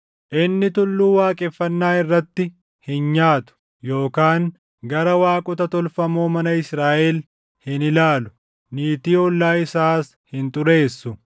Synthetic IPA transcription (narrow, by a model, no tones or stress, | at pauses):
ʔɪnːɪt̪ʊlːuːwaːkʼɛfːɐnːaːɪrːɐt̪ːɪ | hɪnɲaːt̪ʊ̥ | jo̞ːkaːŋ | ɡɐɾɐwaːkʼʊt̪ɐt̪ɔlfɐmoːmɐnɐɪsɾaːʔɛl | hɪnɪlaːlʊ̥ | niːt̪iːɔlːaːɪsaːs | hɪnt̪ʼʊɾe̞ːsːʊ